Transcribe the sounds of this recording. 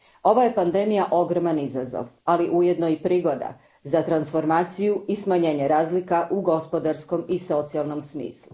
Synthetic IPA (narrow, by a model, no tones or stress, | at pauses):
o̞ʋaje̞pand̪e̞mijaʔo̞ɡɾomanizazo̰ʋaliʔuje̞d̪no̞ipɾiːɡo̞d̪a̰ | zat̪ɾansfo̞ɾmaːt̪sijuismaɲe̞ːɲeɾaːzlikaʔuɡo̞spo̞d̪aɾsko̞miso̞t̪sialˠno̞msmḭːslˠu